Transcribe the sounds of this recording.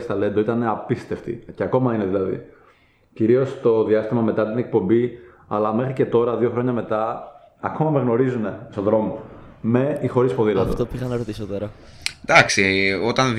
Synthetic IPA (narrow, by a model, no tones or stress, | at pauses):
st̪ɐle̞nd̪o̞it̪ɐne̞ɐpist̪e̞ft̪ḭceɐko̞mɐineðilɐðḭ | ciɾio̞st̪o̞ðiɐst̪imɐme̞t̪ɐt̪inek̚po̞mbi | ɐ̰lɐme̞xɾice̞t̪o̞ɾɐðio̞xɾo̞ɲɐme̞t̪ɐ | ɐko̞mɐmeɣno̞ɾizune̞soðɾo̞mome̞ixo̞ɾispoðilɐt̪oft̪opixɐnɐɾot̪isot̪oɾɐ | d̪ɐksiot̪ɐn